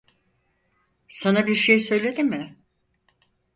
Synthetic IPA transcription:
sanabiɾʃejsø̞jlʲe̞d̪imɪ

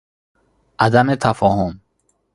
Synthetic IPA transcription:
ʔad̪amet̪ʰafɔhum

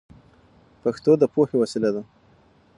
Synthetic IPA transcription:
paxt̪od̪əpohewasilad̪a

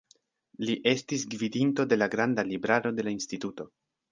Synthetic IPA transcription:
liʔe̞stisɡvidinto̞de̞laɡɾandalibɾaɾo̞de̞lainstituto̞

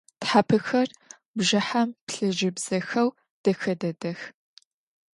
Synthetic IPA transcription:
tħapʰɨxɐr | bʒɐħampɬɨʒɪbz̥ɐxɐw | d̥ɐxɐdɐdɐx

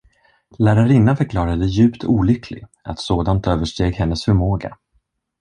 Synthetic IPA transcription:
læːɾaɾɪnːafœɾkʰlɑːɾad̪əjʉ̟ːpt̪ʰuːlʏkʰlɪ̰ɡ | a̰t̪soːd̪ant̪øːvəʂʈeːɡhɛnːəsfœɾmoːɡa̰

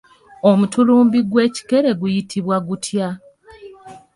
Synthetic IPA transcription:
o̞mutuluːmbiɡwe̞ːci̥ke̞ɾe̞ɡujitʰiβwaɡutʰja

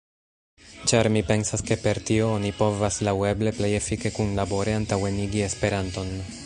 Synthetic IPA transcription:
t͡ʃaɾmipe̞nsaske̞pe̞ɾtio̞onipo̞vaslawe̞ble̞ple̞je̞fike̞kunlabo̞ɾeantawe̞niɡie̞spe̞ɾanto̞n

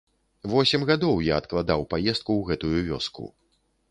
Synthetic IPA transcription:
vɔsʲɛmɣad̪ɔwjaɐt̪klˠad̪awpajɛst̪̚kuwɣɛt̪ujuvʲɔ̰skṵ

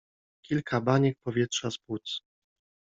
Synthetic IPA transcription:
kʲilkʰabaɲɛk̚pɔvʲjɛtʂaspwut̪s

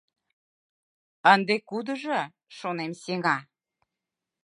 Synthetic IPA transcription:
ənd̪ekud̪ə̆ʒə | ʃonemseŋɑ

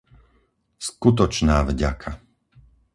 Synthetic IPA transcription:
skut̪ɔt͡ʃnaːvɟa̰kʰa

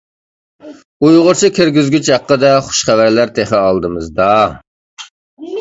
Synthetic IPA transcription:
ujʁʊɾt͡ʃʰɨkʲiɾɡʲizɡʲyt͡ʃhɑqːəd̪ɛχʊ̥ʃχævæɾlæɾt̪ʰeχɛɑlˠd̪ɨmɨzd̪ɑ

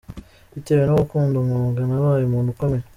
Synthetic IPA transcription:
iteβenoβukuːndomuːŋɡanaβaːjumuːndukomeɾa

